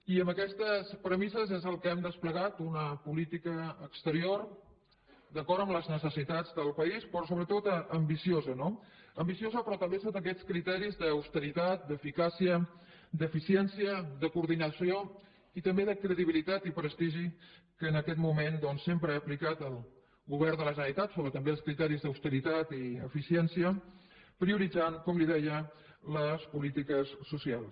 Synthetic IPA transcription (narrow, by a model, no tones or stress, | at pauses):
iəmbəkɛst̪əspɾəmizəzɛzəlˠkəɛmd̪əspləɣat̪unəpulit̪ikəːkst̪əɾior | d̪əkɔɾt̪əmləznəsəsit̪ad͡zðəlˠpəispɾɔsoβɾət̪ot̪əmbisiozənoəmbisiozəpɾɔt̪əmbesot̪ək̬ɛt͡skɾit̪ɛɾizðəːwst̪əɾit̪at̪̚d̪əfikasiə | d̪əfisiɛnsiəd̪əkuɾðinəsio | it̪əmbeðəkɾəðiβilit̪at̪ipɾəst̪iʒi | kəːnəkɛt̪mumend̪ɔnsːempɾəaplikat̪əlˠ | ɣuβ̞ɛɾðələʒənit̪at̪soβət̪əmbeəlˠskɾit̪ɛɾizðəwst̪əɾit̪at̪iə̰fisiɛnsiə | pɾiuɾid͡zaŋkɔmliðɛjə | ləspulit̪ikəsːusialˠs